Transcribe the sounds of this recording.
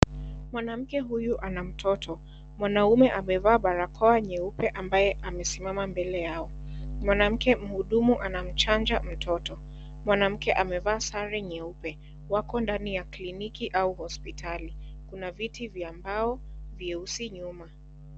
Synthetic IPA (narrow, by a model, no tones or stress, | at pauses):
mwanam̩kɛɦujuʔanam̩tʰɔtʰɔ | mwanaumɛʔamɛvaːɓaɾakʰɔaɲɛupɛʔambajɛʔamɛsimamambɛlɛjaɔ | mwanam̩kɛm̩huɗumuʔanam̩t͡ʃand͡ʒam̩tʰɔtɔ | mwanam̩kɛʔamɛvaːsaɾɛɲɛupɛ | wakɔndanijaklinikiʔauhɔspitʰalikunavitivjambaɔvjɛusiɲuma